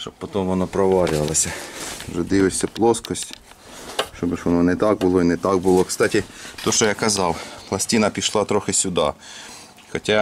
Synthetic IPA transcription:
ʃt͡ʃɔbpɔt̪ɔmʋɔnɔpɾɔʋɑɾʲʊʋɐlˠɐsʲɐʒɛd̪ɪʋɪsʲɐplˠɔskɔsʲtʲ | ʃt͡ʃɔbɪʃʋɔnɔnɛt̪ɑk̚bʊlˠɔinɛt̪ɑk̚bʊlˠɔkst̪ɑtʲit̪ɔʃɔjakɐzɑwplˠɐsʲtʲinɐpʲiʃlˠɑt̪ɾɔxɪsʲʊd̪ɑ̰ | xɔtʲa

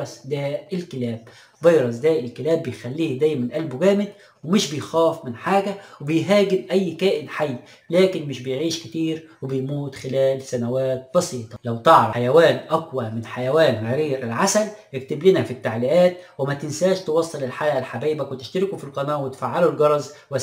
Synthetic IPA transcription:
ɑsd̪æːɪlkɪlæːb̚ | bɑjɾˤɑsd̪æːʔɪlkɪlæːbːejxælːiːhd̪æjmænʔælbɡæːmɪd̪̚ | wemɪʃbɪjxæːfmɪnħaːɡæwebɪjɦæːɡɪmʔæjːkæːʔɪnħajː | læːkɪnmɪʃbɪjʕiːʃkɪt̪iːɾwebejmuːt̪xɪlæːlsænæwæːt̪̚bɑsiːt̪ˤɑlæwt̪ɑʕɾˤɑjæwæːnʔækwæmɪnħajæwæːnɣaɾiːɾɪlʕasæljɪk̚t̪ɪblinæfit̪ːaʕlɪʔæːt̪̚wɪmæt̪ɪnsæːʃt̪ewɑsˤːelɪlħajʔlħabiːʔbæwet̪ɪ̥ʃt̪ɪɾɪkufilqɑnæːʔwɪt̪faʕːalulɡɑɾˤɑzˤ | wæ

